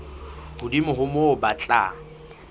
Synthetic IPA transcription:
hʊdimʊɦʊmobat͡ɬʼa̰

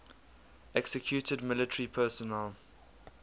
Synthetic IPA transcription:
ɛksəkʰjuːˑtʰədmɪlətʰəɹipʰɛːsɔnɛl

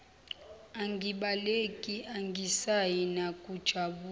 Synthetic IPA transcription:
aŋɡʱiɓalekʼiʔaŋɡʱisajinakʼud̥ʒ̥ʱaɓuː

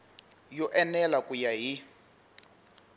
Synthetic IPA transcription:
jɔʔɛnɛlakʼujaɦi

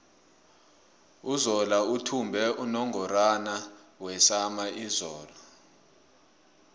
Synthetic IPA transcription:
uzɔlautʰumbʱɛʔunɔŋʱɔranawɛsamaizɔːlɔ

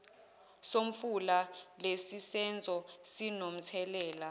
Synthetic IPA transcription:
soɱ̩fulalesisɛnd͡zʱɔsinom̩t͡sʰɛlɛːla

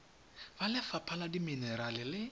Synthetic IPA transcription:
balɪfapʰaladiminɛɾalɪlɪ

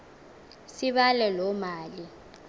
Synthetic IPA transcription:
siɓalɛlɔmaːli

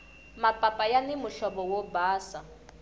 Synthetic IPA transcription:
mapʼapʼajanɪmʊɬɔbɔwɔbaːsa

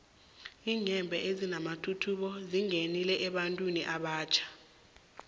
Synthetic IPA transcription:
iːɲɛmbʱɛʔezinamatʰutʰuɓɔziŋenilɛʔɛɓantʼwiniʔaɓaːt͡ʃʰḁ

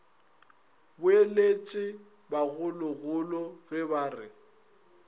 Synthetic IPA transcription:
bʊelet͡ʃʼɪ | baɣʊlʊɣʊlɔɣɪbaːrɪ

